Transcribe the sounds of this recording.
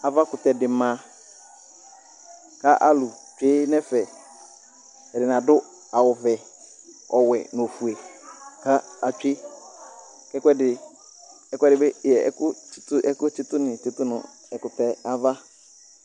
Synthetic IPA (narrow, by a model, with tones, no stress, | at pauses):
a˨va˦kʊ˨tɛ˨dɪ˨mã˨ | ka˦ʔa˦lʊ˨t͡ʃᶣe˦nɛ˦fɛ˨ | ɛ˨dɪ˨nã˨dʊ˦ | a˨wʊ˨vɛ˨ | ɔ˨wɛ˨no˨fu˨e˨ka˦a˨t͡ʃᶣe˦ | kɛ˦kʷɛ˦dɪ˨ | ɛ˦kʷɛ˦dɪ˨bɛ˦jɛ˨ɛ̰˦kʊ˦t͡ʃtʊ˦ʔɛ˦kʊ˦t͡ʃɪ˦tʊ˦nɪ̃˨tɪ˦tʊ˦nʊ̰̃˨ | ɛ˨kʊ˨tɛ˦a˦va˦